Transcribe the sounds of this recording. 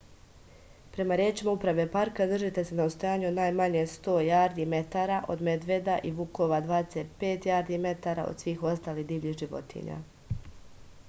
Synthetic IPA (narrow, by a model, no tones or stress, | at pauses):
pɾe̞maɾjeːt͡ʃimaupɾaʋe̞paɾkad̪r̩ʒit̪e̞se̞naost̪o̞jaːɲeod̪naːjmaɲe̞st̪o̞ːjaːɾd̪ime̞t̪aɾaʔo̞̰d̪me̞d̪ʋe̞d̪aʔiʋukoʋad̪ʋaːd̪eset̪̚pe̞ːt̪jaːɾd̪ime̞t̪aːɾa̰o̰d̪̥sʋiːxo̞st̪aːlid̪iːʋʎiːxʒiʋo̞̰t̪ʰḭɲa̰